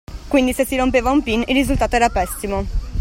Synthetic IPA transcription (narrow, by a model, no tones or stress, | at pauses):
kwind̪isesːiɾompeːvaumpinilːizult̪aːt̪oɛːɾapɛsimo